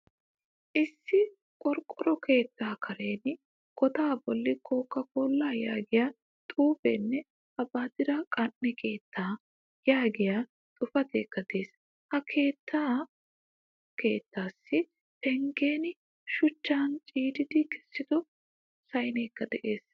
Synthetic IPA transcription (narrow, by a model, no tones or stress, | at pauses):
ʔɪsːɪ | kʼɔɾkʼːɔɾɔkʰe̞ːt̪ːaːkʰɐɾe̞ːnɪ | kɔt̪aːbɔlːɪkʰoːkːɐkoːlːaːja̰ːɡɪjaː | t̪ʼuːfḛnːɛ | ɐbaːd̪ɪɾɐkʼɐnːɛkʰe̞ːt̪ːaː | jaːɡɪjaː | t̪ʼʊfɐt̪ḛːkːɐd̪e̞ːs | hɐkʰe̞ːt̪ːaː | ke̞ːt̪ːaːsːɪ | pɛŋɡe̞ːnɪ | ʃʊt͡ʃːaːnt͡ʃʼiːd̪ɪd̪ɪkɛ̥sːɪd̪ɔ | sɐjneːkːɐd̪ɛʔe̞ːs